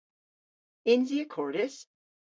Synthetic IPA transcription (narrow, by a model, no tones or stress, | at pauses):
ɪ̃nziəkʰɔɹɾɪs